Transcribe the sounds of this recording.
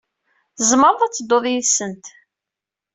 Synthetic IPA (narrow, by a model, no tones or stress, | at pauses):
zˤməɾˤðˤæt͡sːəd̪oðˤjiðsənt̪